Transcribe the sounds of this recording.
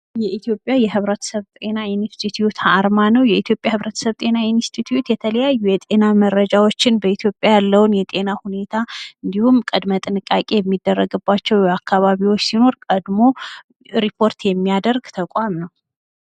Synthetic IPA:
jɛʔit̪ʰjo̞pʼjajɛɦɨβɾət̪ʰə̥səβt̪ʼe̞naɪnst̪ʰit̪ʰujut̪haːɾmanəwjɛit̪ʰjo̞pʼjahɨβɾət̪səβt̪ʼe̞nainst̪ʰit̪ʰjut̪jɛt̪ʰələjajːujɛt̪ʼe̞naməɾːəd͡ʒawo̞t͡ʃːɪnbəit̪ʰjo̞pʼjajalːəwnjɛt̪ʼe̞nahune̞t̪ʰaɨnd̪ihumkʼəd̪mət̪ʼɨnɨkʼakʼe̞jɛmːid̪ːərːəɡɨbːat͡ʃːɛwjɛakːaβaβiwot͡ʃːsino̞ɾkʼəd̪mo̞ | ɾipʰo̞ɾt̪jɛmːijad̪əɾɡt̪ʰəkʼamnəw

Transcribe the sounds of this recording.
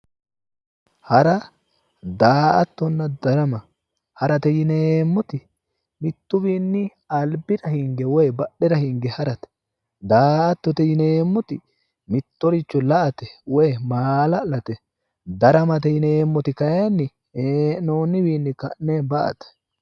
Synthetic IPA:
hɐɾɐ | d̪aːʔɐt̪ːɔnːɐd̪ɐɾɐmɐ | hɐɾɐt̪ɛjɪneːmːɔt̪ɪ | mɪt̪ːʊbiːnːɪ | ɐlbɪɾɐhɪŋɡɛwɔjbɐɗːɛɾɐhɪŋɡɛhɐɾɐt̪ɛ̥ | d̪aːʔɐt̪ːɔt̪ɛjɪneːmːɔt̪ɪ | mɪt̪ːɔɾɪt͡ʃːɔlɐʔɐt̪ɛwɔjmaːlɐlɐt̪ɛ | d̪ɐɾɐmɐt̪̬ɛjɪneːmːɔt̪ɪkɐjanːɪ | eːnoːnːɪbiːnːɪkɐʔnebɐʔɐ̰t̪ɛ̥

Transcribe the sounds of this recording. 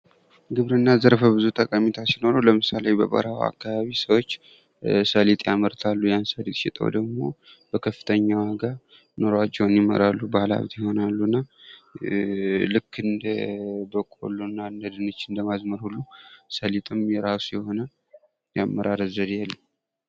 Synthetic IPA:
ɡɨβɾɨnːazəɾfəbɨzut̪ʼəkʼamit̪ʰasino̞ɾəwləmɨsalejbə̰bʼə̰ɾawa̰kːaβaβisəwot͡ʃː | səlit̪ʼjaməɾt̪ʰalːujansəlit̪ʼʃɪt̪ʼə̰wd̪əɡmo̞̰ | b̥əkʰəfːɨ̥t̪ʰəɲːawaɡə | noɾat͡ʃːɛwnjɪmə̰ɾalːubahla̰βt̪ʰjɛho̞nalːuɨnːa | lɨkʰːɨnd̪əbəkʼo̰lːunːand̪əd̪ɨnɨt͡ʃːɨnd̪əmazməɾhulːusəlit̪ʼɨmjɛɾasjɛho̞nə | jamːəɾaɾəzəɾjɛlːəm

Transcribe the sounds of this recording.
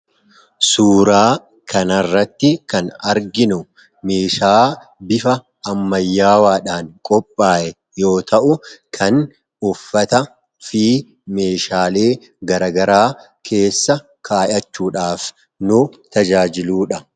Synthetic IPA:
suːɾaː | kʰɐnɐrːɐt̪ːɪkɐnɐɾɡɪnʊ | me̞ːʃaːbɪfɐː | mːɐjːaːwaːᶑaːŋkʼɔpʼːaːʔɛ | jo̞ːt̪ʰɐʔʊkʰɐn | ʊfːɐt̪ɐ | fiː | me̞ːʃaːle̞ː | ɡɐɾɐɡɐɾaː | kʰe̞ːsːɐ | kʰaːjɐt͡ʃːuːᶑaːf | nʊt̪ɐd͡ʒaːd͡ʒɪluːᶑɐ

